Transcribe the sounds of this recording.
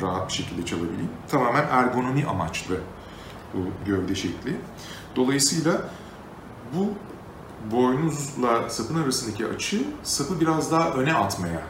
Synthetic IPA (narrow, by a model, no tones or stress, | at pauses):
ɾaːɦat̪̚biʃe̞cʰilʲd̪ɛt͡ʃʰalˠabilʲḭjimt̪ʰamaːmænʔæɾɡo̞no̞miʔa̰mat͡ʃlˠɯ | buɟøvd̪ɛʃɛclʲi | d̪̥o̞lˠajɯsɯjlˠa | bu | bo̞jnuzlˠasapʰɯnaɾasɯnd̪acʰia̰t͡ʃʰɯsapɯbiɾazd̪aɦaʔø̞nɛʔat̪maja